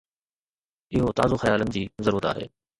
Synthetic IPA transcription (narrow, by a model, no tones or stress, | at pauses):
ɪɦot̪a̰ːzoxɐjaːlənɪ̆d͡ʑiːzɐɾuːɾət̪a̰ːɦḛː